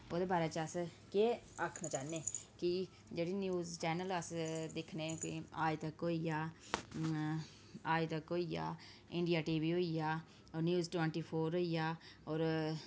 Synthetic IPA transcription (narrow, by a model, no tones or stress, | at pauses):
oːd̪eːbaːɾaːt͡ʃəs | keːaːkʰnaːt͡ʃaːneːki | d͡ʒeːɽiːnjuːzt͡ʃɛːnələsd̪ɪkʰneːkḭaːjt̪əkɦoːijaː | aːjt̪əkɦoːija̰ː | ɪ̃ɳɖijaːʈiːbiːɦoːijaː | ɔːɾnjuːzʈʋɛ̃ɳʈiːpʰoːɾoːijaːɔːɾ